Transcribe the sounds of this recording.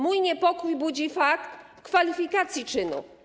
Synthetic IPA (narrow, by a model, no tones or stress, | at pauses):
mujɲɛpɔkujbud͡ʑifakt̪ | kfalʲifʲikat̪sʲjit͡ʂɘnṵ